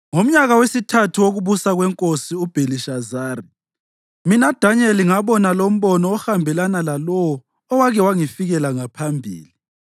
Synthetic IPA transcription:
ŋom̩ɲaɣawesitʰatʰuwoɣuβusaɣwɛŋkʼosiub̥ʱeliʃazaːri | minad̥ʱaɲɛliŋaβɔnalom̩βɔnɔːxambʱɛlanalalɔwɔː | waɣɛwaŋifiɣɛlaŋapʰambʱḭːli

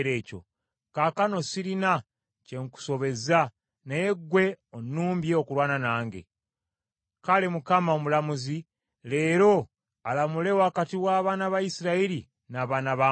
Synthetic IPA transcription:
ɾe̞ːco̞̰ | kaːkano̞siɾina | ce̞ŋku̥so̞βe̞za | nejeɡwe̞onːuːmbjeokuɾwaːnanaːŋɡḛ | kalemukamaomulamuzi | le̞ːɾo̞ | alamule̞wakatiwaːβaːnaβajisiɾaiɾi | naːβaːnaβa

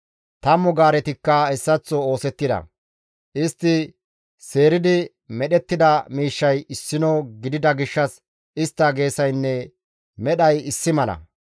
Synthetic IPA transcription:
t̪ɐmʊɡaːɾɛt̪ɪkːɐɛsːɐt͡sːɔo̞ːsɛt̪ːɪd̪ɐ̰ | ʔɪst̪ːɪ | se̞ːɾɪd̪ɪ | mɛɗɛt̪ːɪd̪ɐmiːʃːɐjɪsːɪnoːɡɪd̪ɪd̪ɐɡɪʃːɐs | ɪst̪ːɐɡe̞ːsɐjnːɛ | mɛɗɐjɪsːɪmɐlɐ̰

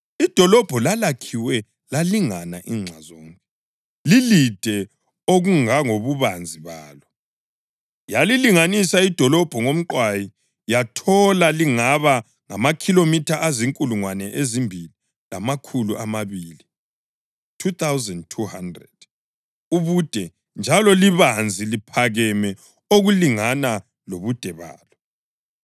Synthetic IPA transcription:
id̥ʱɔlɔb̥ʱɔlalakʰiwɛ | laliŋanaʔiːŋ͡ǀʱazɔːŋkʼɛ | lilid̥ʱɛ | oɣuŋaŋoβuβand͡zʱiβaːlɔ | jaliliŋanisaid̥ʱɔlɔb̥ʱɔŋom̩ǃwaji | jatʰɔlaliŋaβa | ŋamakʰilomitʰaʔaziŋkʼuluŋwanɛʔezimbʱili | lamakʰuluʔamaβiːli | tʰut̪ʰawzɛndtʰuhandrɛd̥ | uβud̥ʱɛ | nd͡ʒʱalɔliβand͡zʱilipʰaɣɛmɛ | oɣuliŋana | loβud̥ʱɛβa̰ːlɔ

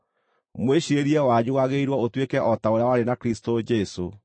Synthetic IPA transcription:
mweɕiɾeɾiɛwaɲuwaɣeiɾwɔotwekɛʔɔtaoɾjawaɾenakɾistod͡ʒɛso̰

